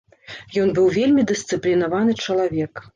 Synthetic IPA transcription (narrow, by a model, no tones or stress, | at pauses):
jɔnbɨwvʲelʲmʲid̪ɨst̪sɨplʲinavanɨt͡ʂɐlˠavʲɛk